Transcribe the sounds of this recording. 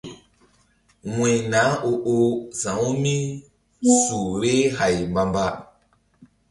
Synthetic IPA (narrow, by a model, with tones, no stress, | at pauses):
wẽ˨nã˨˦o˧ʔo˧zã˨wu˦mĩ˦ | su˨ɾe˦ha˨jmba˨mba˦